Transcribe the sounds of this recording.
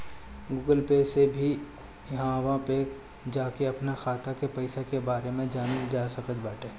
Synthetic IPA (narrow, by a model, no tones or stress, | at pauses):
ɡuːɡəlpeːsebʱi | jɦãʋãpe | d͡ʒaːkeɐpnaxʰaːt̪ʰakepɐɪsakebaːɾemẽd͡ʒaːned͡ʒaːsɐkət̪baːʈeː